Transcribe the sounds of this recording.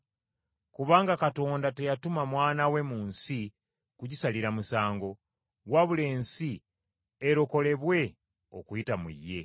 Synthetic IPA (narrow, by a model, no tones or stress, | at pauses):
kuβaːŋɡakato̞ːndate̞jatumamwaːnawe̞muːnsi | kuɟisaliɾamusaːŋɡo̞ | waβule̞ːnsi | eɾo̞ko̞le̞βwe̞ | o̰kuitamṵjːe̞